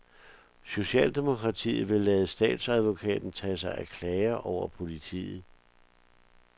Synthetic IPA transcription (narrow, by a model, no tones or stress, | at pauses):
so̝ɕɛ̰ːld̥e̝mo̝kʰʁɑ̈t͡sʰḭːð̩ˠʋe̝lɛːðˠəsd̥ɛ̰ːd̥sæð̞ˠʋo̝kʰɛ̰ːd̥n̩t͡sʰɛsɑ̈ɪʔækʰlɛːɐʔɒʊ̰ɐpʰo̝lit͡sʰḭːð̩ˠ